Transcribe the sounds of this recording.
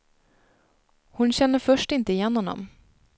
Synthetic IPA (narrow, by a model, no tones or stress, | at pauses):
hʊnɕɛnːəfœʂʈɪnt̪əɪjɛnːhɔnːɔ̰m